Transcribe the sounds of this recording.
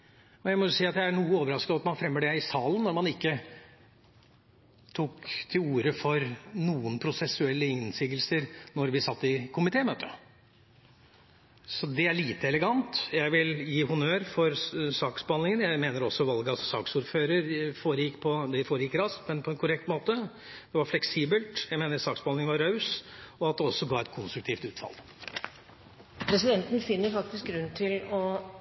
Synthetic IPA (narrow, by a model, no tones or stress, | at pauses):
ɔjæɪmɔjʊsiːɑt̪jæɪæɳuːəoːʋəɾɑskəɑʋɑt̪mɑnfɾɛmːəɖɛɪsɑːlənːɔɾmɑnɪkːə | t̪ʰuːkt̪ʰɪluːɾəfɔɾnuːənpʰɾʊsɛsʉɛlːəɪnsɪɡəlsəɾnɔɾʋɪsɑt̪ːɪkʰʊmɪt̪ʰeːmøːt̪ʰə | sɔd̪ɛæɭiːt̪əɛləɡɑnt̪jæɪʋɪljiːɦʊnøːɾfɔɾsɑːksbɑnɪŋənjæɪmeːnəɾɔsːɔʋɑlɡəɑsɔsɑːksuːɾføːɾəɾfoːɾəjɪkːpʰɔd̪ɛfoːɾəjɪkːɾɑstmɛnpʰɔɛnkʰʊɾɛk̚t̪moːt̪ə | d̪̥ɛʋɑɾflɛksiːbəlt̪jæɪmeːnəɾsɑːksbɑnlɪŋənʋɑɾːɑʉsɔɑt̪̚d̪ɛɔsːɔɡɑːɛt̪kʰʊnst̪ɾʉk̚t̪ʰiːft̪ʉːt̪fɑ̰lˠ | pʰɾɛsɪd̪ɛnt̪n̩fɪnːəɾfɑk̚t̪ɪsk̚ɡɾʉnːt̪ʰɪlɔ